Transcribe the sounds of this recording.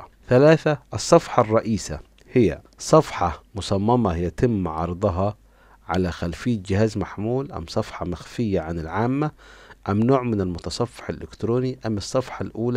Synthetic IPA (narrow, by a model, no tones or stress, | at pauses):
θalaːθaʔɨsˤːɑfħɑrˤːɑʔiːsa̰ | hɪjːa̰ | sˤɑfħɑmʊsˤɑmːɑmajat̪ɪmːʕɑɾˤd̪ˤɑɦɑ | ʕa̰laxalfɪjːat̪̚d͡ʒɪhaːzmaħmuːlʔa̰mːsˤɑfħɑmaxfɪjːaʕanɪlʕaːmːaʔamːnoːʕmɪnɪlmʊt̪ɑsˤɑfːʊ̥ħɪlʔɪkt̪ɾuːniʔamːɨsˤːɑfħɑlʔuːla